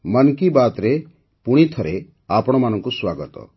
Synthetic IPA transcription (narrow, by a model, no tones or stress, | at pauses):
mənkibat̪ɾe | puɽ̃it̪ʰɔɾe | apɔɽ̃ɔmanɔŋkuswaɡɔt̪ɔ̰